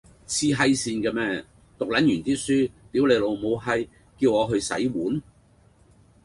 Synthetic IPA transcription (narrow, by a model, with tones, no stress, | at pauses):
t͡sʰiː˧ɦɐ˧jsiː˧nkɛː˧mɛː˥ | t̪ʊ˨k̚lɐ˨˥njyː˨˩nt͡siː˥syː˥p̪iː˨˥wle˨˧lo˨˧wmo˨˧wɦɐ˧j | kiː˧wɔː˨˧ɦɵ˧ɥsɐ̰˨˥jwuː˨˥n